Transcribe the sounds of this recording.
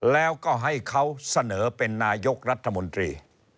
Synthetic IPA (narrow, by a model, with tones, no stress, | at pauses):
lɛː˦˥wkɔː˥˩ɦa˥˩jkʰa˦˥wsa˧nɤː˩˦pe˧nːaː˧jo˦˥k̚ɾa˦˥t̪ʰːa˧mo˧nt̪ɾḭː˧